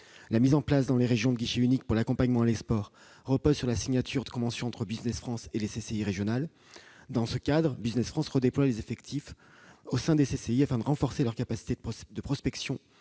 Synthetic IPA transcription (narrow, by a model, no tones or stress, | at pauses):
lamizɑ̃plas̬d̪ɑ̃leʁeʒjɔ̃d̪əɡʲiʃeynik̚puʁlakɔ̃paɲmɑ̃lespɔʁː | əpozsyʁlasiɲat̪yʁd̪əkɔ̃vɑ̃sjɔ̃ɑ̃t̪χəbiznɛsfχɑ̃seleseseiʁeʒjɔnal | d̪ɑ̃səkad̪ʁəbiznɛsfχɑ̃sʁəd̪eplwalezefɛkt̪ʰif | osɛ̃d̪eseseiafɛ̃d̪əʁɑ̃fɔʁselœʁkapasi̥t̪ed̪əpχɔspɛksjɔ̃